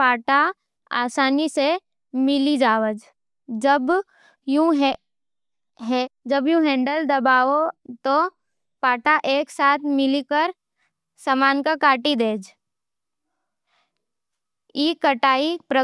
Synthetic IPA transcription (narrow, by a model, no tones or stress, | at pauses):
paːʈa | a̰ːsaːnise | mɪlid͡ʒaːʋəd͡ʒ | d͡ʒɐb | jũɦɛ | ɦɛd͡ʒɐbjũɦɛ̃ːɳɖəld̪ɐbaːot̪o | paːʈaʔeːksaːt̪ʰmɪlikəɾ | samaːnkakaːʈid̪eːd͡ʒ | iːkɐʈaːipɾə